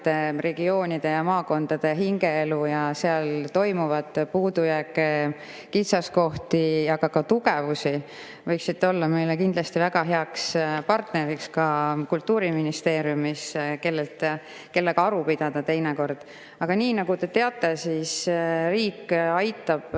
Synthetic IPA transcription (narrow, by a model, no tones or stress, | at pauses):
t̪ːe̞re̞ɡ̥io̞ːnʲid̪̥e̞jɑmɑːko̞nd̪̥ɑd̪̥eɦiŋɡ̥e̞elujɑseɑlt̪o̞jmuvɑd̪̥puːd̪ujækːˑe | kit̪sɑsko̞ht̪ijɑɡ̥ɑkɑt̪uɡ̥evusi | vɤjksit̪ːeo̞lːɑmejlekind̪lɑst̪ivæɡ̥ɑɦe̞ɑkspɑrt̪ne̞ɾikskɑkult̪ˑːuːɾiminist̪e̞ːɾjumiske̞lːelt̪ | ke̞lːeɡ̥ɑɾupid̪̥ɑd̪̥ɑt̪e̞jneko̞rd̪̥ | ɑɡ̥ɑniːnɑɡ̥ut̪e̞t̪e̞ɑt̪ːˑe̞sisriːkːɑjt̪ːˑɑb̥